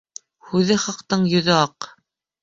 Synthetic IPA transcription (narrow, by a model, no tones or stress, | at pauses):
hʉðɘχɑqt̪ɤɴjɵ̆ðɵɑq